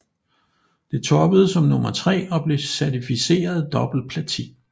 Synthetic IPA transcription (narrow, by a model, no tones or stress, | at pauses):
d̥e̝t͡sʰɒb̥əð̞̩ˠəsɒ̽mnɔ̽mɐt͡sʰʁɛ̰ːɒ̽b̥le̝sæɐt͡sʰifise̝̰ːɐð̞ˠd̥ɒ̽b̥l̩pʰlæt͡sʰḭː